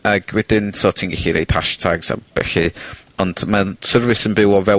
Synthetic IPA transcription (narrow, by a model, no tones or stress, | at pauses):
aɡ̥wɛdɪnsoːtʰiːnɡɛɬiɾḛjd̥haʃtʰaɡz̥a̰b̥ɛ̰ɬɨɔnd̥masərvɨsənbɪwɔvɛ